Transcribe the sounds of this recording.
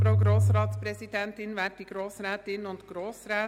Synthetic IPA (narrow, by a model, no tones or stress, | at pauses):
ɾoʊɡɾoːsɾɑːtspɾɛsidɛntɪnʋæːtiɡ̥ɾoːsɾɛːt̪ɪnʊntɡ̥ɾoːsɾɛː